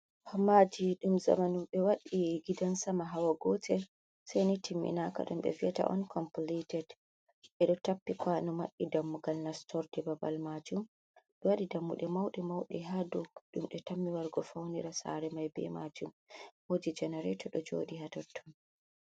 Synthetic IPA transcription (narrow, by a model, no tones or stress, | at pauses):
hɔmad͡ʒiɗumza̰manumɓɛwaɗiɡidansamaɦawaɡɔtʰɛ | sajnitʰimːḭnaka̰ɗumɓɛ̰viata̰ʔɔ̰nkʰɔmplitɛd | ɓɛɗɔtapːikwanɔmaɗːidamːuɡalnastʰɔɾdɛbaba̰lmad͡ʒum | ɗɛwaɗidamːuɗɛmawɗɛmawɗɛɦaduɗumɗɛtamːiwaɾɡɔfawniɾasa̰ɾɛmajbɛ̰ma̰d͡ʒumhoːd͡ʒid͡ʒɛnɛɾɛtɔɗɔd͡ʒo̰ːɗihatɔtʰːɔn